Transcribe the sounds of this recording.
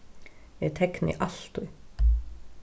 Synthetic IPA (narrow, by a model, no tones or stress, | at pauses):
ɛt̪ʰɛknɪ̰ʔalt̪ʊj